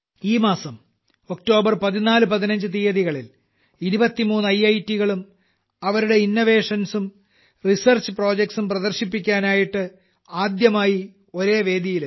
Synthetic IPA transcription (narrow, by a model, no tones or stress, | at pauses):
iːmaːsɐm | o̞k̚ʈo̞ːbɐrpɐðinaːlɨpɐðinɐɲd͡ʑɨt̪ijɐðiɣɐɭil | iɾubɐt̪ːimuːnːɨɐjːɐjtːiɣɐɭum | ɐʋɐɾuɽe̞inːoʋe̞ːʂɐnsum | risɐrt͡ɕɨpro̞ːd͡ʑek̚ʈsumprɐðɐrɕipːikʲːaːnaːjiʈːɨ | aːd̪jɐmaːji | o̞ɾe̞ːʋe̞ːd̪ʱjijil